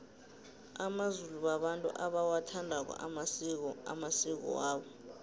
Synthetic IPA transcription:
amazuluɓaɓantʼṵʔaɓawatʰandʱak̬ɔ̰ | a̰masik̬ɔ̰waːɓɔ

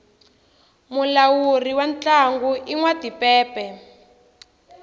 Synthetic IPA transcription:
mulawuriwant͡ɬaŋɡuʔiŋwadipɛːpɛ

